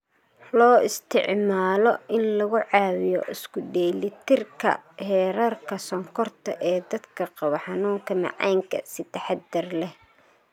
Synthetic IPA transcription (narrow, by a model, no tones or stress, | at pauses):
lɔːɪst̪ʰɪ̰ʕmaːlɔɪnlɐɣʊʕɑːwɪjɔ̰ʔɪskʰʊɖɛːlɪt̪ʰɪrkʰɐ̰hɛːɾɐrkʰɐsɔŋkʰɔrt̪ʰɐ̰ʔɛːd̪ɐd̪kʰɐqɑβɐħɑnuːŋkʰɐmɑ̰ʕɑ̰jŋkʰɐ̰sɪt̪ʰɐħɑd̪ɐrlɛh